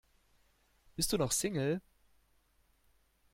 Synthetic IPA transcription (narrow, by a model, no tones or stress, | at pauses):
b̥ɪstd̥uːnɔχsɪŋl̩